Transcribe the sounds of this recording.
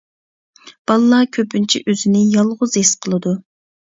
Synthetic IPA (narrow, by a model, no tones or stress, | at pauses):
b̥ɑlˠːɑkʲʰøpynt͡ʃʰḭʔøzɪnɪjɑlˠʁʊzesqʰəlˠɨd̪u